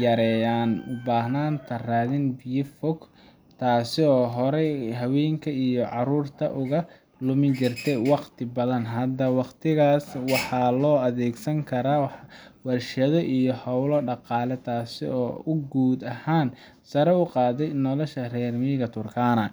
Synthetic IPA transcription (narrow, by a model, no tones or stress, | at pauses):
jɐɾɛjaːnʊbaːhnaːnt̪ʰɐraːðɪnbijɪfɔk | t̪ʰaːsɪɔːɦɔɾɛɦɐwɛːŋkʰɐijɔʕɑɾuːrt̪ʰɐ̰ʔʊɣɐ | lʊmɪt͡ʃɪrt̪ʰɛjwɑqt̪ʰɪbɐðɐnɦɐd̪ɐwɑqt̪ʰɪɣaːswɑħɑlɔːɐðɛːɡsɐŋkʰɐɾaːwwɐrʃɐðɔʔijɔhɐwlɔɖɑqɑːlɛt̪ʰaːsɪɔːʊɡuːd̪ɐhaːn | sɐɾɛʊqɑːðɛjnɔlɔʃɐrɛːrmiːɣɐt̪ʰʊrkʰaːnɐ